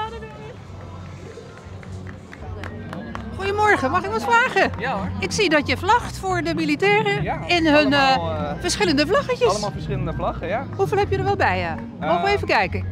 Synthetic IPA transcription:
adəd | χujəmɔɹɣəmɑxɪkʋɔtfraːɣəɪksidɔtjəflɑxtfʊːɹdəmilitɛːrəɪnɦɵnfəɹsχɪləndəflɑxəcəlːlfəsɪləndəflɑχəhuvɪːlˠɦɛpjədəɹʋɛlˠbɛjə | moejvəkɛjkə

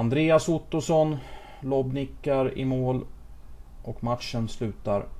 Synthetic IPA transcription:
and̪ɾeːasʊt̪ːʊsɔn | lɔbnɪkːaɾɪ̰moːl | ʔɔkmat̪ʂənslʉ̟ːt̪aɾ

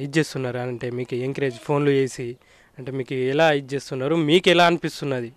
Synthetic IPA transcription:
it͡ʃe̞ːst̪unːaːɾaːnɐɳʈe̞ːmiːkueŋkɐɾe̞ːd͡ʒpʰo̞ːnlue̞ːsi | ɐɳʈe̞ːmiːkuɛlaːit͡ʃe̞ːst̪unːaːɾumiːkɛlaːɐnipist̪unːɐd̪i

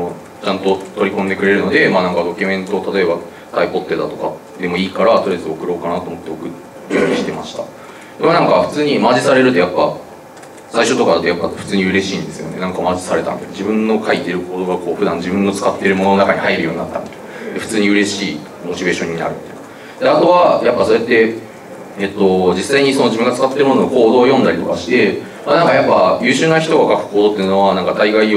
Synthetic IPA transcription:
o | t͡ɕãnt̪o̞t̪o̞ɾʲikõ̞nd̪e̞kɯ̟ɾe̞ɾɯ̟no̞d̪e̞maːnãŋkad̪o̞kʲɯ̟mẽ̞nt̪o̞t̪at̪o̞e̞ba | t̪aipo̞t̪ːe̞d̪at̪o̞ka | d̪e̞mo̞iːkaɾat̪oɾezɨokɯ̟ɾo̞ːkanat̪o̞ːmo̞t̪ːe̞okɯ | kɯjoɲiɕi̥t̪e̞maɕi̥t̪a | d̪emanãŋkaɸɯ̟̥t͡sɨːɲ̟imaːʑisaɾe̞ɾɯ̟t̪o̞japːa | saiɕo̞t̪o̞kad̪ejapːaɸɯ̟̥t͡sɨːɲ̟iɯ̟ɾe̞ɕĩːnd̪e̞sɨjo̞̰ne̞nãŋkamaːʑisaɾe̞t̪a̰nd̪ed͡ʑibɯ̟̃nːo̞kʰait̪e̞ɾɯ̟ko̞ːd̪o̞ːɡako̞ːɸɯ̟d̪ãnd͡ʑibɯ̟̃nːo̞t͡sɨ̥kat̪ːe̞ɾɯ̟mononoakaɲ̟ihaiɾɯ̟jo̞ːɲ̟ina̰t̪ːa̰mit̪o̥ | d̪e̞ɸɯ̟̥t͡sɨːɲ̟iɯ̟ɾe̞ɕiː | mo̞t͡ɕibe̞ːɕõ̞ɲ̟ːina̰ɾɯ̟t̪ːe̥ka | d̪̥e̞at̪o̞βajapːaso̞ɾet̪ːe̞ | et̪ːo̞d͡ʑisːaiɲ̟iso̞no̞ʑibɯ̟ŋɡat͡sɨ̥kat̪ːe̞ɾɯ̟mooɡoko̞ːd̪o̞ːjõ̞nd̪aɾʲit̪o̞̰kaɕi̥t̪e̞ | manãŋkajapːajɯ̟ːɕɨːnaçi̥t̪o̞ɡakakɯ̟̥ko̞ːd̪ot̪ːeɯno̞βanãŋkat̪aiɡai

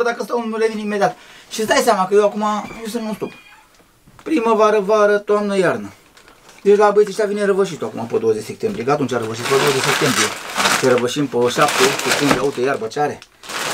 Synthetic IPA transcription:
d̪akəst̪əunumulevineimed̪ʲiat̪ʃisd̪ajseamakəjewakumajews̬ɨnmũnst̪up | pɾiməvaɾəvaɾət̪oamnəjarnə | d̪et͡ʃʲlabət̪iʃt̪avineɾəvəʃ̬it̪oakumapəd̪o̞wəzet͡ʃse̞p̚t̪embɾieɡat̪unt͡ʃʲaɾəvəʃit̪̚pəd̪owəzeʃʲsep̚t̪e̞mbɾijesəɾəvəʃimpəʃap̚t̪esep̚t̪embɾieaut̪ejarbət͡ʃaɾe

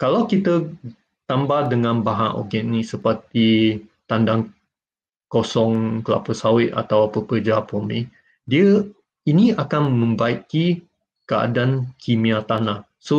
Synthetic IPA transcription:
kalawkit̪ə | t̪ambahdəŋãnbaɦãʔo̰ɡɛʔnĩsəpərt̪it̪andaŋ | kosɔŋkəla̰pəsawɪʔ̪a̰t̪awpəkərd͡ʒapomĩ | diə | iniakanmə̃mbaiki | kəa̰dankʰimĩat̪anah | so

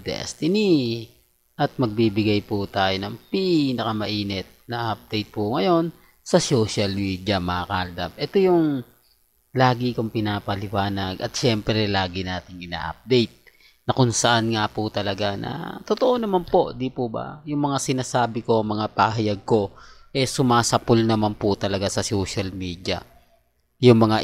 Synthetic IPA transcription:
d̪ɛ̰st̪ɪni | ʔɐt̪̚mɐɡ̚bibɪɡajput̪aːjo̞nɐŋpinɐkɐmɐʔiːnɛt̪̚nɐʔɐp̚d̪ɛjt̪̚pʊŋɐjo̞n | sɐsoʃɐlmiːd̪jɐmɐkɐald̪ɐ̰mʔɛt̪o̞jʊŋ | laːɡikoŋpɪnaːpɐlɪwaːnɐɡʔɐ̰t̪̚ʃɛmpɾɛlaːɡɪnaːt̪ɪŋɪna̰ːʔɐ̰p̚d̪ɛjt̪̚ | nɐkʊŋsɐʔanŋapʊt̪ɐlɐɡanɐ̰t̪ot̪oʔonɐmanpo̞d̪ipʊbɐ̰jʊŋmɐŋasɪnaːsaːbɪko̞ɐŋmɐŋapaɦɐjaɡ̚ko̞ʔɛsʊmaːsɐpolnɐmanpʊt̪ɐlɐɡasɐsoʃɐlmiːd̪jɐ̰ | jʊŋmɐŋa

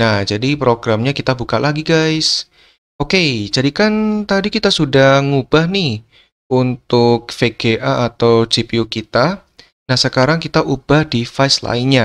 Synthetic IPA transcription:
nahd͡ʒadipɾoɡɾamɲakit̪abukalaɡiɡajs | oked͡ʒadikant̪adikit̪asudahŋubahnɪh | unt̪ʊk̚feɡ̥eʔaːt̪awd͡ʒipiukit̪a | nahsəkaɾaŋkit̪aʔub̥ahdifasla̰ɪnɲa

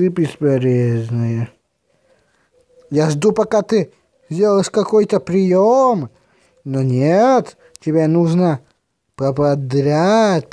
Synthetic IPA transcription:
ɨbʲɪspɐɾʲeznɨjə | jaʐd̪upɐkat̪ɨ | zʲdʲelˠʂkɐkojt̪əpɾʲɪjom | nonʲet̪ | tʲɪbʲenuʐnə | pɐpɐd̪ɾʲatʲ

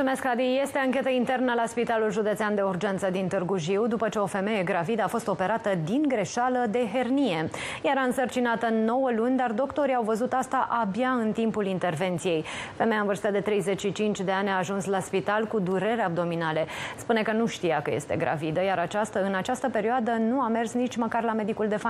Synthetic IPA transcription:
sumeskad̪ije̞st̪eaŋkʲe̞t̪əint̪e̞rnəlaspit̪alulʒud̪e̞t̪sɪand̪e̞urd͡ʒent̪səd̪int̪ɨrɡuʒiwd̪upət͡ʃeo̞fe̞me̞je̞ɡɾavid̪əafo̞st̪o̞pe̞ɾat̪əd̪inɡɾe̞ʃaləd̪e̞ɦe̞rnije̞jaɾaɨnsərt͡ʃinat̪əno̞wəlunʲd̪ard̪o̞kt̪o̞ɾiawvəzut̪ast̪aʔabjaɨnt̪impulint̪e̞rve̞nt̪sije̞jfeme̞jaɨnvɨrst̪ad̪e̞t̪ɾe̞jze̞t͡ʃʃit͡ʃint͡ʃʲd̪e̞anʲaːʒunslaspit̪alkud̪uɾe̞ɾeab̚d̪o̞minale̞spune̞kənuʃt̪ijakəje̞̰st̪e̞̰ɡɾa̰vid̪əjaɾat͡ʃast̪əɨnat͡ʃast̪əpe̞ɾioad̪ənuame̞rsnit͡ʃʲməkarlame̞d̪ikuld̪e̞fa

